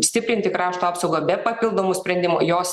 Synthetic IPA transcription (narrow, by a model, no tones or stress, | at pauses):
sʲt̪ʲɪpʲɾʲɪnʲt̪ʲɪkɾɑːʃt̪uɑːpsɒʊɡobʲɛpɐpʲɪlˠd̪oːmʊsʲpʲɾʲɛnʲd̪ʲɪmʊjoːs